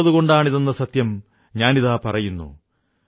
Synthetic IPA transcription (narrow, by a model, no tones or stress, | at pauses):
ɐðuɣo̞ɳɖaːɳiðenːɐsɐt̪jɐm | ɲaːniðaːpɐrɐjunːṵ